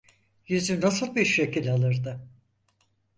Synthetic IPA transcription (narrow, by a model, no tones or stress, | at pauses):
jyzynasɯlˠbiɾʃʃecʰilʲalˠɯɾd̪ɯ